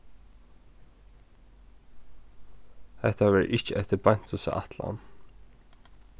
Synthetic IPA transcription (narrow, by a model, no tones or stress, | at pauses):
hɛht̪aʋɛɾʔɪht͡ʃəʔɛht̪əban̥t̪ʊsa̰ʔa̰t̪la̰n